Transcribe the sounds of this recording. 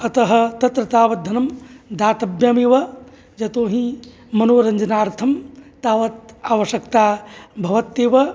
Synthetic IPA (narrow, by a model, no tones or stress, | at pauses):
ɐt̪ɐɦɐ̆t̪ɐt̪ɾɐt̪aːʋɐt̪̚d̪ʱɐnɐmd̪aːt̪ɐbjaːmeːʋɐ | d͡ʒɐt̪oːɦĩ | mɐnoːɾɐɲd͡ʒɐnaːɾt̪ʰɐmt̪aːʋɐt̪̚aːʋɐʃjɐkt̪aːbʱɐʋɐt̪ːeːʋɐ